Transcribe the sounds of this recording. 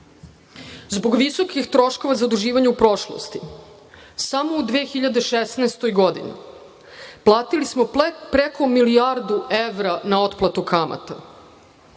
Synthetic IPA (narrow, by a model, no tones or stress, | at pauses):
zbo̞ɡʋiso̞kixt̪ɾo̞ʃko̞ʋazaod̪uʒiːʋaɲeupɾo̞ʃlˠo̰st̪i | samoud̪ʋeːxiʎad̪eʃesneːst̪o̞jɡod̪ḭnḭ | plˠaːt̪ilismo̞pɾekʰo̞milijaɾd̪ueʋɾanao̞t̪plˠat̪ukama̰t̪a